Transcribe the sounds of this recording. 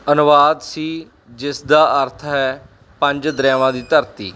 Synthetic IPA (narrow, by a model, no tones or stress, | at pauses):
ənʊʋaːd̪siː | d͡ʒɪsd̪aːʔəɾt̪ʰɦɛː | pə̃ɲd͡ʒd̪ɾɛːʋãːd̪iːt̪əɾt̪ḭː